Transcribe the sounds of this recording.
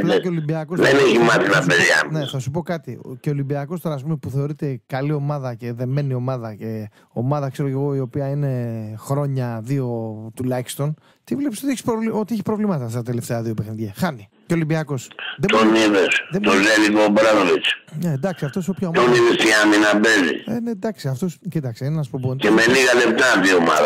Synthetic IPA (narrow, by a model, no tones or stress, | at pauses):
keolimbiɐkosðeneçimɐθinɐpeðjɐ̰neθɐsupo̞kɐt̪ice̞o̞limbiɐko̞st̪o̞ɾɐːspumepuθe̞o̞ɾit̪e̞kɐlio̞mɐðɐce̞ðe̞me̞nio̞mɐðɐce̞ | o̞mɐðɐkse̞ɾo̞ceɣo̞io̞piɐine̞xɾo̞ɲɐðio̞t̪ulɐçist̪o̞n | t̪ivle̞psot̪ieçi̥spɾovlio̞t̪ieçi̥pɾo̞vlimɐt̪ɐst̪ɐt̪e̞le̞ft̪eɐðio̞pe̞xniðʝɐxɐni | ceo̞limbiɐko̞sðet̪oniðesðet̪ozelikobɾaðɾit͡ʃned̪ɐksiɐft̪o̞sopçɐot̪oniðest̪iaminabezḭened̪ɐksiɐft̪oscit̪ɐksinenɐspobonemeniɣɐlep̚t̪aðiooma̰ð